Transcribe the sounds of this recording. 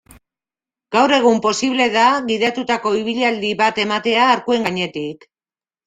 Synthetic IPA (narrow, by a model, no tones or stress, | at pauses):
ɡ̥awɾe̞ɣ̞umpo̞siβle̞ðaɣiðat̪ut̪ako̞iβ̞iʎald̪iβat̪e̞mat̪e̞aːɾkue̞ŋɡaɲe̞t̪ik